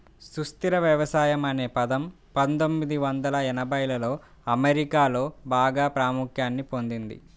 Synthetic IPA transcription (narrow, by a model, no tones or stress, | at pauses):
sust̪iɾɐʋjɐʋɐsaːjɐmɐne̞ːpɐd̪ɐm | pɐnt̪o̞mːid̪iʋɐnd̪ɐlɐɛnɐbɐjlɐlo̞ː | ɐmeɾikaːlo̞ːbaːɡaːpɾaːmukʰjaːnːipo̞nd̪ind̪ḭ